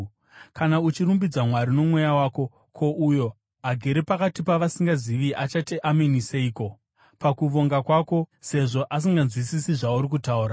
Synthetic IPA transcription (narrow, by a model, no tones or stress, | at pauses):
kanaut͡ʃiɾumbid͡zamwaɾino̞mwe̞jawaːko̞ | kʰo̞ʔujo̞ | ɦaɡʱeɾepakatipaʋasiŋɡaziʋiʔat͡ʃatiʔameniseiːko̞ | pakuʋo̞ŋɡakwaːko̞se̞ʐo̞ʔas̬iŋɡanzwisisiʐauɾik̬utauːɾa